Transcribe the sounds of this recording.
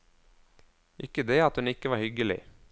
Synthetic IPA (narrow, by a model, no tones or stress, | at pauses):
ʔɪkːəd̪eːɑt̪hʉnɪkːəʋɑːɾhʏɡəlɪ̰